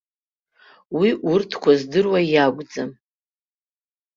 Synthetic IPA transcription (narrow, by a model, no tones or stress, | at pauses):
wiʔurtʰkʷʰazdɨrwajaɡʷʼd͡zʼam